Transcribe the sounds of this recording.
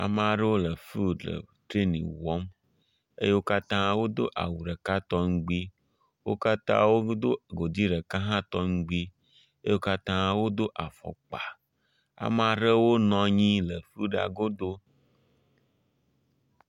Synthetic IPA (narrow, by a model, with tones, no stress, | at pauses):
a̰˨me˨a˨ɖe˦wo˦lə˨fu˦ɖə̰˨t̪ɾe˦nḭ̃˨wɔ˦m | ḛ˦je˦wo˦ka˦t̪ã˦wo˦d̪o̰˦ʔa̰˨wu˨ɖə˨ka˦t̪ɔ˦ŋ̩˦ɡ͡bi˦ | wo̰˦ka˦t̪ã̰˦wo˦d̪o˦ɡo˨d̪i˦ɖə˨ka˦ɦã˦t̪ɔ˦ŋ̩˦ɡ͡bi˦ | e˦jwo˦ka˦t̪ã˦wo˦d̪o˦ʔa˨fɔ̰˨k͡pa˨ | a̰˨m˨a˨ɖə˦wo˦nɔ̃˨ɲĩ˦lə˨fu˦ɖa̰˨ɡo˦d̪o˦